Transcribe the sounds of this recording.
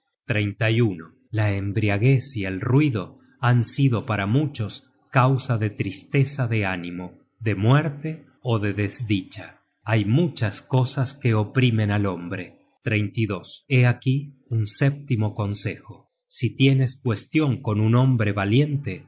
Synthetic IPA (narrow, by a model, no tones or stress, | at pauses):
t̪ɾejnt̪ajuno | laembɾiaɣe̞sielrwiðo̞ | ansiðo̞paɾamut͡ʃo̞s | kawsaðe̞t̪ɾist̪esaðe̞animo | ðe̞mweɾt̪e̞ | oðe̞ðezðit͡ʃa | ajmut͡ʃasko̞saske̞opɾimẽ̞nalo̞mbɾe̞ | t̪ɾejnt̪iðo̞se̞akiunsep̚t̪imo̞ko̞nse̞xo̞ | sit̪je̞ne̞skwe̞st̪jo̞ŋko̞nunõ̞mbɾe̞βalje̞nt̪e̞